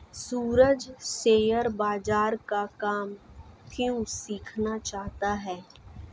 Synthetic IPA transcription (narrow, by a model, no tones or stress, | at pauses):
suːɾəd͡ʒseːjəɾbaːd͡ʒaːɾkakaːmkjũsiːkʰnat͡ʃaːɦt̪aɦɛː